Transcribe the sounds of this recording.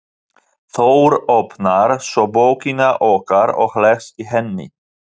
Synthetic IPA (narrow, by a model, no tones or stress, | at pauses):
θowɾopnaɾsɔboːwkinaʔɔːkaɾɔ̰ɣhlɛxsiɦɛnːɪ̰